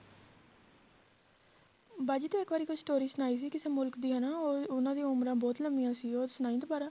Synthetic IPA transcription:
baːd͡ʒiːt̪eːɪkbaːɾiːkʊt͡ʃʰsʈoːɾiːsənaːiːs̬iːkɪsẽːmʊlkd̪iːɦnaːoʊnãːd̪ĩaʊmɾãːbɔːt̪ləmijãːsiːoːɾsʊnaːĩd̪obaːɾaː

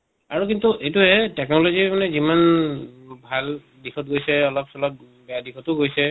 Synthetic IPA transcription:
aɹukintuʔejtuɦɛtɛknɔlozimanɛziman | bʱal | dixʰɔt̚ɡojsɛɔlɔp̚sɔlɔp̚ | bɛjadixʰɔtʊɡojsɛ

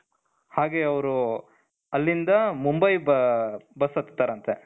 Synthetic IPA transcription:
haːɡeːɐʋɾu | ɐlːind̪ɐmumbɐjbbɐsɐt̪ːe̥t̪ːaːɾɐnt̪e

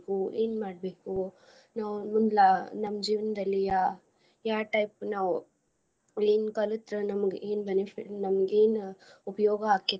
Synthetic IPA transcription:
kuḛːnmaːɖ̚beːku | naːʋmund̪lanɐmːɐd͡ʒiːʋɐnɐd̪ɐlːijaː | jaːʈɐjpnaːʋu | eːnkɐlut̪ɾɐnɐmɐɡeːnbenepʰiʈnɐmɐɡeːnupɐjɔːɡɐɦaːki

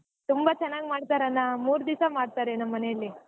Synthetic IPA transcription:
t̪umbat͡ʃɛnːaːɡmaːɽt̪aːɾeɐnːamuːɾd̪isamaːɖt̪aːɾenɐmːɐnejɐlːi

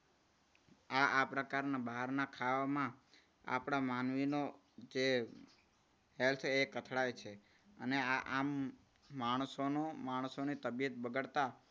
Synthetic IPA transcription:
aapɾəkaɾnabaɦəɾnakʰaʋamã | a̰pɽ̃amanʋino | d͡ʒe | ɦelt̪ʰekət̪ʰɽajt͡ʃʰe | əneaʔamː | aɳ̃sonomaɳsonit̪əbjət̪bəɡəɭt̪a

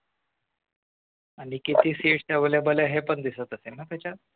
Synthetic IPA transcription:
aɽ̃ikit̪iːsiːʈt̪jaʋəljabəljaɦepəɳd̪isət̪əsenat̪jat͡ɕa

